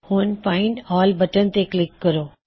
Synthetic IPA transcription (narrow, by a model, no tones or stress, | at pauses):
hʊnpaːɪ̃ɳɖɔːlbɐʈənt̪eklɪkːɐɾoː